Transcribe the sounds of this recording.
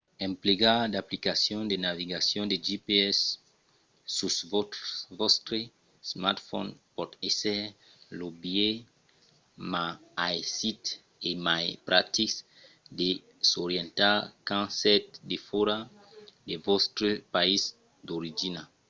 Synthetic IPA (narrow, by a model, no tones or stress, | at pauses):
ɛ̃mpleɡad̪aplikasjɔ̃nd̪enaviɡasjɔ̃nd̪eʒipeɛsː | usvɔvɔst̪ɾe | smat̪fɔ̰npɔt̪esɛ | lobje | maajsit̪ | emajpɾat̪is | d̪e | soɾjɛ̃nt̪akãsɛt̪̚d̪efoɾa | d̪evɔst̪ɾepais | d̪oɾid͡ʒina